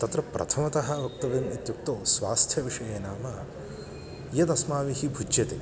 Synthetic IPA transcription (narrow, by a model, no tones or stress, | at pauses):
t̪ɐt̪ɾɐpɾʔɐ̰t̪ʰɐmɐt̪ɐɦɐʋɐk̚t̪ɐʋeːmit̪juk̚t̪oːsʋaːst̪ʰjɐʋiʂɐjeːnaːmɐ | jɐt̪ɐsmaːʋiɦibʱud͡ʒjɐt̪e